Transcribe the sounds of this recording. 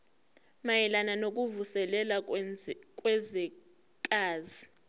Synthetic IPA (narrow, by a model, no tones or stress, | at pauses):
majɛlananok̬ʼuvusɛlɛla | kʼwɛzɛ | kʼaːzi